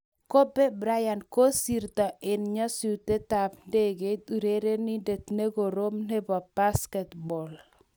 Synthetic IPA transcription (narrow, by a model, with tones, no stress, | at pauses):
ko˦be˦bɾa˦ja˨nko˦sirt̪a˨ʔɪ˨nɲɔ˦sut̪e˦t̪apnde˦ɡetuɾeɾe˦ni˦de˨t̪ne˦ɡo˨ɾo˦mne˦bɔ˨b̥a˦skɛt̪bɔ˨l